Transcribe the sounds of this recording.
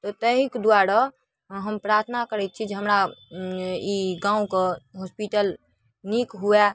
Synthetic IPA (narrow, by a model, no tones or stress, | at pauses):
t̪ɔt̪əɦikd̪uwaɾa | ɦəmpɾaɾt̪ʰnakəɾɛt̪̚t͡ʃʰid͡ʒeɦəmɾa | iɡãũkeɦospiʈəl | nikɦuɛ